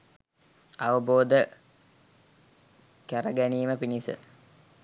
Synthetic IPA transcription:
aʋəboːd̪ə | kæɾəɡæniːməpinisə̰

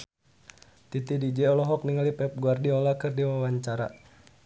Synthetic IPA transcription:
t̪it̪idid͡ʒɛɔlɔɦɔk̚niŋalipɛp̚ɡuardiɔlakɨrdiwawaɲt͡ʃaɾa̰

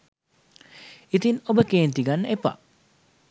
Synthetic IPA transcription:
it̪inobəkent̪iɡanepa̰

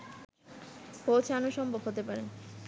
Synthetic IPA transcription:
kot͡ɕʰanoʃɔmbʱobɦot̪epaɾe

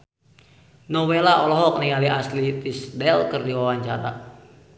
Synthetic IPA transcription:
nɔwelaʔɔlɔɦɔk̚niŋaliaslit̪isdɛlkɨrdiwawaɲt͡ʃaɾa̰

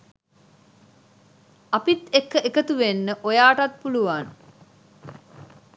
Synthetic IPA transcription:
ɐpit̪ekːəʔekət̪uʋenːəʔojaːʈɐt̪̚puluʋan

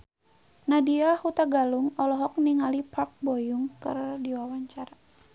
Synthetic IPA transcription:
nadiahut̪aɡaluŋɔlɔɦɔk̚niŋalipak̚bɔjuŋkɨ̰rdiwawaɲt͡ʃaɾa

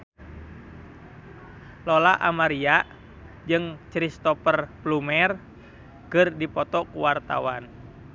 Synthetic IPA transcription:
lɔlaʔamaɾiaʔ | d͡ʒɨŋt͡ʃɾist̪ɔpərplumɛr | kɨrdipɔt̪ɔkuwart̪a̰wa̰n

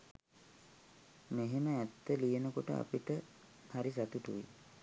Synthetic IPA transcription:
meɦeməæt̪ːəlijenəkoʈə̰a̰piʈə | haɾisat̪uʈuʋi

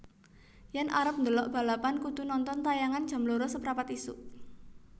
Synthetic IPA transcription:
jɛnʔaɾəp̚nd̪əlɔʔb̥a̤lapankud̪̥ṳnɔnt̪ɔnt̪ajaŋand̥ʒ̥a̤mloɾɔsəpɾapat̪isuʔ

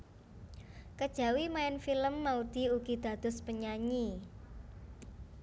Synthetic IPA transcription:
kəd̥ʒ̥a̤wimaɪnfiləmːaud̪̥i̤uɡ̥i̤d̪̥ä̤d̪̥ʊ̤spəɲaɲi

